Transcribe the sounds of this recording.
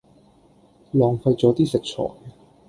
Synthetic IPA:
lɔː˨˧ŋfɐ˧jt͡sɔː˨˥t̪iː˥sɪ˨k̚t͡ʃʰɔ̰ː˨˩j

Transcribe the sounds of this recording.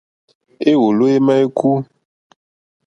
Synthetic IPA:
e˦wo˨lo˦e˦ma˦e˦ku˦

